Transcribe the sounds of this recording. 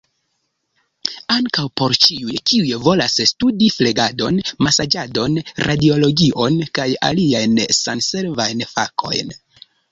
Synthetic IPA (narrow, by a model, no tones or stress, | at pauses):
aŋkawpo̞ɾt͡ʃiujkiujevo̞lasstudifle̞ɡado̞nmasad͡ʒado̞nɾʔadio̞lo̞ɡiʔo̞nkaja̰liajnsanse̞ɾvajnfakʰo̞̰jn